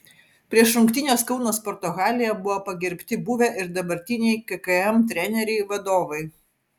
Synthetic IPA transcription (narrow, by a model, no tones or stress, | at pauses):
pʲɾʲiɛʃɾʊŋkt̪ʲɪnʲoːskɒʊnoːspɔɾt̪oɣɑːlʲɪjɛbʊʋoːpɐɡʲɛɾʲpʲt̪ʲɪbuʋʲɛʔɪɾd̪ɐbɐɾʲt̪ʲɪnʲɛɪkɐkɐɛmt̪ʲɾʲɛnʲɛɾʲɛɪʋɐd̪oːʋɐɪ